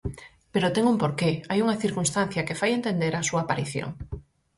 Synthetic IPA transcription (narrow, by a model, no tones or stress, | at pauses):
peɾot̪eŋumpoɾkeajuŋaθiɾkunst̪ãn̟θjakefajent̪end̪eɾasuaːpaɾiθjo̰ŋ